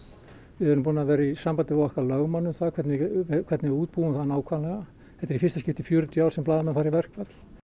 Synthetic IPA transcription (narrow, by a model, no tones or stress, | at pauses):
vɛðʏɾnmpuːnavɛːɾaisampant̪ɪaɣɔhkvalœɣmanːʏmθakʰvɛt̪nɪkʰvɛɾt̪nɪvuːt̪̚puːwʏmθaðnaːwkʰvaːlɛɣa | ɛht̪ɛɾifɪr̥st̪ascɪft̪ɪfjœːɾʏt̪ʰjaːwɾ̥sɛmplaːðamɛfaːɾivɛr̥kvɛt̪l̥